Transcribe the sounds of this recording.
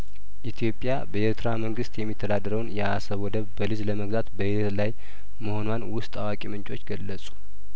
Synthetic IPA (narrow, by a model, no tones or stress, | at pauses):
ʔit̪ʰijo̞pʼːjabəeɾt̪ʰɾaməŋɡɨst̪jɛmːit̪ʰːəd̪ad̪əɾəwnjɛasəβɔd̪əβbəlɨzləməɡzat̪bəhɪət̪laj | məho̞nwanwʊst̪ʼawakʼimɨnt͡ʃʼo̞t͡ʃːɡəlːəsʼu̥